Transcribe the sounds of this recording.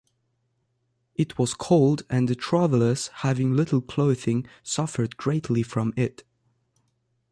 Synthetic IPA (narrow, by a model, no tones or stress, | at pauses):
ɨt̚wʌz̥kʰoʊlˠdɨ̃nðɨtʰɹ̥ævl̩ˠəz̥hævɪ̃ŋlɪɾl̩ˠkʰl̥oʊðɪ̃ŋsʌfə˞d̚ɡɹeɪtʰlifɹʌ̃mɪt